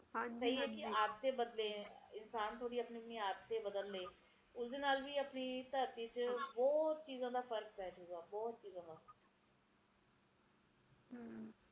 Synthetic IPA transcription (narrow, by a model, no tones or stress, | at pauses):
hãsəɦiːɦɛːkɪaːd̪t̪ːeːbəd̪leːɪnsaːnt̪ʰoːɽiːəpniːəpniːaːɾt̪ːeːbəd̪əlːeː | ʊsd̪eːnaːlʋiːəpniːt̪əɾt̪iːt͡ʃbɔːt̪̚t͡ʃiːzãːd̪aːpʰəɾk̚pɛːd͡ʒɦoːɡaːbɔːt̪̚t͡ʃiːzãːd̪aː